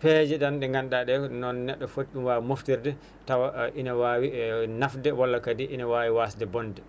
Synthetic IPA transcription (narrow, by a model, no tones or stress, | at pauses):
pɛd͡ʒɛɗanɗɛŋɡanɗaɗɛnɔnːɛɗːɔfotɗumwamoftiɾdɛ | tawaʔinawawinafdɛwɔlːakadiʔinawawiwasdɛbɔndɛ